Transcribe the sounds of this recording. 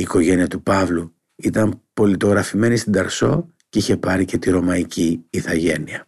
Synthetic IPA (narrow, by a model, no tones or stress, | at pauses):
iːko̞ʝe̞niɐt̪upɐvlu | it̪ɐmpo̞lit̪o̞ɣɾɐfime̞nist̪ind̪ɐɾso̞ | ceiçe̞pɐɾice̞t̪iɾo̞mɐiciːθɐʝe̞niɐ